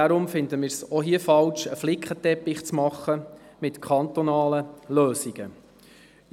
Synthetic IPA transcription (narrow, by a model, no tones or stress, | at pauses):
ɑɾʊmfɪnd̪əmɪːɾsɔɦiəfɑlʃəflɪkχətɛpɪχt͡smɑχːə | mɪtkʰɑnt̪ɔnɑːləløːsiɡ̥ə